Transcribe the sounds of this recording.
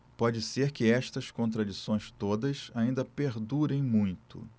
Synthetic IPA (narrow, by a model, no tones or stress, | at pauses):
pɔd͡ʒɪseɾkɪɛʃt̪ɐskõnt̪ɾad͡ʒisõj̃st̪od̪ɐsaĩnd̪ɐpeɾd̪uɾẽj̃mũj̃t̪ʊ̰